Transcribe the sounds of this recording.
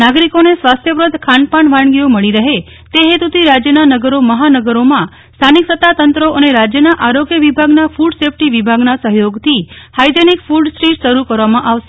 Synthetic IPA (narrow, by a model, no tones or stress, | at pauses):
naɡɾikonesʋast̪ʰjəpɾəd̪ʱkʰaɳpaɳʋaɳɡijoməɭiɾəɦe | t̪eɦet̪ut̪ʰiɾad͡ʒjənanəɡəɾoməɦanəɡəɾomã | st̪ʰaniksət̪ːat̪ənt̪ɾoʔəneɾad͡ʒjənaʔaɾoɡjəʋibʱaɡnafuɖsefʈiʋibʱaɡnasəɦjoɡt̪ʰihajd̪enikfuɖsɾiʈʃəɾukəɾʋamãʔaʋʃe̥